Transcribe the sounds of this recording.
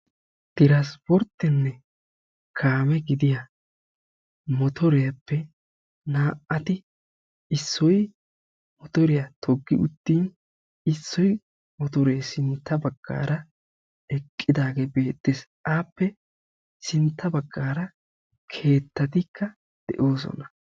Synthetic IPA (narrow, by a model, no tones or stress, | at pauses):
t̪ɪɾaspɔɾt̪ːɛnːɛ | kʰaːmɛɡɪd̪ɪja | mɔt̪ʰɔɾɛjɐpːɛ | naːʔɐt̪ɪ | ɪsːɔj | mɔt̪ɔɾɪjɐt̪ʰɔɡːɪʊt̪ːiːn | ɪsːɔj | mɔt̪ɔɾeːsɪnt̪ːɐbɐɡ̥ːa̰ːɾɐ | ɛkʼːɪd̪aːɡeːbe̞ːt̪ːesʔaːpːɛ | sɪnt̪ːɐbɐɡːaːɾɐ | kʰe̞ːt̪ːɐt̪ɪkʰːɐ | d̪̥ɛ̰ʔo̞ːs̬ɔ̰nɐ̥